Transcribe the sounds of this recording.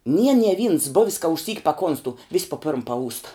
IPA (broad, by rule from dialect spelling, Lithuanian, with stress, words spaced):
nʲiɛ nʲiɛ ʋʲiːns ˈbʊʋʲɪs kɐ ɪʃʲˈsʲiːk pɐˈkoːnstʊ ʋʲɪs poː pʲɪrm pɐˈuːstɐ